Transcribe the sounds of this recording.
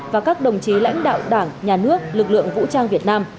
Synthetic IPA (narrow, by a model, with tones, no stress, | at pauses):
vaː˨˩kaː˦˥k̚ɗə˨˩wŋ͡mt͡ɕi˨˦la̰˧˥jŋ̟ɗa̰ː˧˨wɗaː˧˩ŋɲaː˨˩nɨ˦˥ək̚lɨ˨˩k̚lɨ̰˧˨əŋvṵ˧˥t͡ɕaː˧ŋvi˨˩ət̚naː˧m